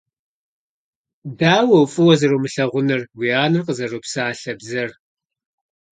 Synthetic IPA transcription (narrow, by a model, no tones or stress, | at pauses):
daːwɐwfʼɨwɐzɐɾoːmɨɬɐʁʷʊnɨrwiaːnɨrqəzɐroːpsaːɬɐbzɐr